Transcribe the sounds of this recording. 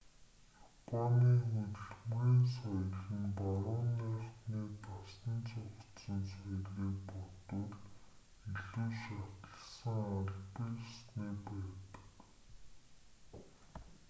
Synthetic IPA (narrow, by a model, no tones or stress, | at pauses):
jɔapʰaniːxut̪ɘ̆ɮmɣeːnsaj̆ɮxɘ̆npaɾʊːnːiːχt̪niːt̪asnə̆nt͡sʊχʰt̪sə̆nsaj̆ɮiːk̚pɔt̪ʊ̆ɮ | iɮuːʃat̪ə̆ɮsə̆ŋaɮpəjsniːpæːt̪ə̥̆k